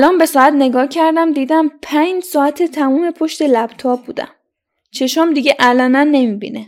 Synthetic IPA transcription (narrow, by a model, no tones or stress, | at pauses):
ælɒːnbe̞sɒːæt̪ne̞ɡɒːcʰæɾd̪æmd̪iːd̪æmpʰænd͡ʒsɒːæt̪ʰet̪ʰæmuːme̞pʰoʃt̪e̞læb̥t̪ʰɒːbːuːd̪æ̰m | t͡ʃʰe̞ʃɒmd̪iɡeʔælɒːnænːe̞miːbḭːne